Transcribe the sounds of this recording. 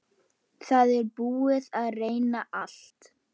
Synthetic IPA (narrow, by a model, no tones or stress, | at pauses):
θaðɛɾpuːɪðaðreːjnaʔal̥t̪